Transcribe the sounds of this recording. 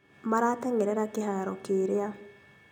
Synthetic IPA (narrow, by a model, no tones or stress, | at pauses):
maɾatɛŋɛɾɛɾakeɦaɾɔkeːɾea